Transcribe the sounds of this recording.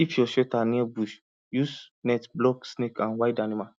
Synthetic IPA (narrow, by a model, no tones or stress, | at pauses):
ifjɔʃɛtaniabuʃ | jusnɛtblɔksnekʰãnwajdanima